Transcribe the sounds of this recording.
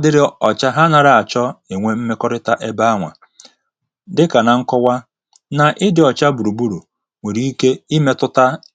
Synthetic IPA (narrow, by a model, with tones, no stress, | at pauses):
dɪ˦ɾɪ˦ɔ˨t͡ʃa˦ɦa˦na˨ɾa˨a˨t͡ʃɔ˦e˨ŋʷe˦m̩˦me˦kɔ˦ɾɪ˦ta˦ʔe˦ba˦a˦ŋʷa̰˨ | dɪ˦ka˨na˨ŋ̩˦kɔ˦wa˦ | na˨ʔɪ˦dɪ˨ɔ˨t͡ʃa˦bu˨ɾu˨bu˦ɾu˨ | ŋʷe˨ɾi˦i˦ke˦i˦me˦tʊ˦ta˦